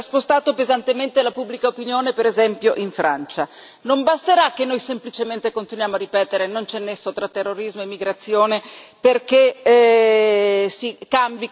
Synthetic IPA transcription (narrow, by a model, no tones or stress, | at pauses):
spost̪aːt̪opezant̪ement̪elapubːlikaopinjoːnepeɾezɛmpjoʔiɱfɾant͡ʃa | nombast̪eɾak̟ːenːojsemplit͡ʃement̪ekont̪inwjaːmoarːipɛːt̪eɾenont͡ʃɛnːesːot̪ɾat̪ːerːoɾizmoemːiɡɾat̪sːjoːneperke | sikambi